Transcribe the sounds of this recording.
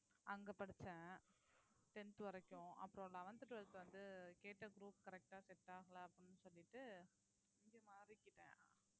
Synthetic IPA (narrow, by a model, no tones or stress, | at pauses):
ʔɐŋɡɐpɐɽɯt͡ʃːɛ̃ | ʈɛnt̪ɯʋɐɾɐkːʊ̃ɐ̰pːɯɾɔ̃ɭːɐɐʋɐnt̪ɯʈːɯʋɐɭɯt̪ːɯʋɐnd̪ɯkeːʈːɐɡɾuːpkɐɾɛk̚ʈaːsɛʈːaːɣɐɭɐɐpːɪnːɯsɔlːɪʈːɯ | ɪŋɡeːmaːɾɪkːɪʈːẽː